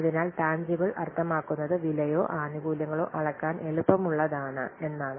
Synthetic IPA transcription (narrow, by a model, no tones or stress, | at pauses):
ɐðinaːlʈaːɲd͡ʑibɐɭɐ̰rt̪ʰːɐmaːkːunːɐðɨʋilɐjo̞ːʔaːnuɡuːljɐŋːɐɭo̞̰ːʔɐɭɐkːaːne̞ɭupːɐmuɭːɐðaːɳɨ̰e̞nːaːɳɨ